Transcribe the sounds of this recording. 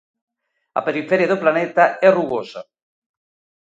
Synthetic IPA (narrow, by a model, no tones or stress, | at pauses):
a̰peɾifɛɾjaðoplanɛt̪aɛruɣosa̰